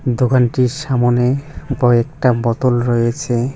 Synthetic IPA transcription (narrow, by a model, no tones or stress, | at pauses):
d̪okanʈiɾʃamoneɔek̚ʈabɔt̪olɾɔjet͡ɕʰe